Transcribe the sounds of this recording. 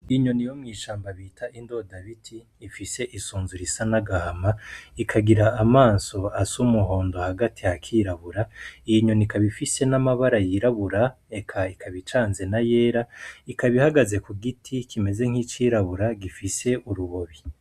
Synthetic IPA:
iɲo̞nijo̞mŋiːʃaːmbaβiːtʰaʔindo̞daβitʰiːfise̞ʔisuːnzuɾisanaɡahamaikʰaɡiɾaʔːmaːnso̞asumuɦo̞ːndo̞haɡatihakʰiːɾaβuɾaiɲo̞nikaβifise̞namaβaɾajiɾaβuɾa | e̞kʰaikʰaβit͡ʃaːnze̞najeːɾaikaβihaɡaze̞kuɡitʰikʰime̞ze̞ŋ̥it͡ʃiːɾaβuɾaɡifise̞ʔuɾuβo̞βi

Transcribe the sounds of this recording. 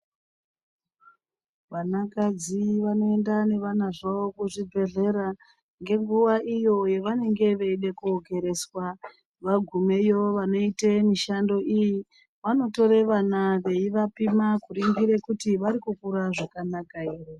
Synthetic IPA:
ʋanakad͡ziʋano̞e̞ndane̞ʋanaʐaokuʐibʱe̞ɮe̞ɾa | ŋɡe̞ŋɡuʋaʔijo̞je̞ʋane̞ŋɡe̞ʋeiɗe̞kuoɡe̞ɾe̞swa | ʋaɡʱume̞jo̞ʋano̞itemiʃando̞ʔiji | ʋano̞to̞ɾe̞ʋanaʋe̞iʋapimakuɾiŋɡiɾe̞kutiʋaɾikukuɾaʐakanakairo

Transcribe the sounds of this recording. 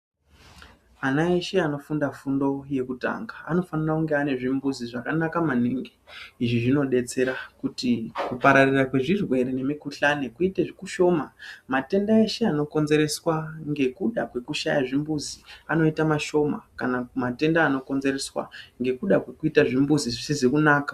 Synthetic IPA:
anae̞ʃe̞ano̞fundafundo̞je̞kuta̰ŋɡaːno̞fanarakuŋɡeane̞ʐimbuziʐakanakamaniːŋɡeiʐiʐino̞ɗe̞t͡se̞ɾakutikupaɾarirakwe̞ʐirwe̞ɾene̞mikuɬanekuiteʐikuʃo̞mamate̞ndaeʃe̞ano̞ko̞nze̞ɾe̞swaŋɡe̞kuɗakwe̞kuʃajaʐimbuziano̞itamaʃo̞ma̰kanamate̞ndaːno̞ko̞nze̞reswa̰ŋɡe̞kuɗakwe̞kuitaʐimbuziʐisizikunaːkḁ

